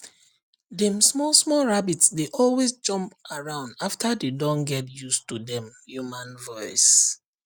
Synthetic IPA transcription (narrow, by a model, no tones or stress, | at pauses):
dɛ̃msmɔlsmɔlɹabitsdeʔɔlwesd͡ʒɔ̃mpaɹãʊ̃ndaftadedɔ̃ŋɡɛtjustudɛ̃mjumãnvɔɪs